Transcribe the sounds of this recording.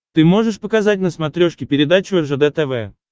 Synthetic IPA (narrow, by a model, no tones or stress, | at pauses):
t̪ɨmo̞ʐɨʂpəkazat̚ʲnəsmɐt̪ɾʲoʂkʲɪpʲɪɾʲɪd̪at͡ɕʊɛrʐəd̪ɛt̪ɛvɛ